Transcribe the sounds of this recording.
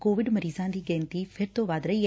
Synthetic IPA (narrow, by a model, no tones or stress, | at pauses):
koːʋɪɖməɾiːzãːd̪iːɡɛ̃ːnt̪iːpʰɪɾt̪õːʋaːd̪ɾəi